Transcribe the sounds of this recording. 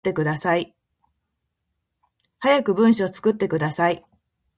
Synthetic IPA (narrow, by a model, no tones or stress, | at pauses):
t̪ːe̞kɯ̟d̪asai | hajakɯ̟bɯ̟̃ɰ̃ɕiot͡sɨ̥kɯ̟t̪ːe̞kɯ̟d̪asai